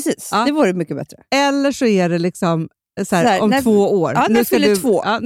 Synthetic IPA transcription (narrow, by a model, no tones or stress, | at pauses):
siːsɑːdɛvuːɾəmʏkːəbɛ̰t̪ɾəɛlːəʂɔæɖɛlɪksɔm | sæːɾːɔmtvoːoːɾnʉskkalɵvoːɑː